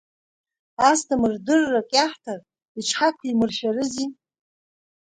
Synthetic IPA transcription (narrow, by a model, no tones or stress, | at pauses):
astʰamɨrdɨrːakʼjaħtʰar | it͡ʃʰħakʷʰimɨrʃarɨzi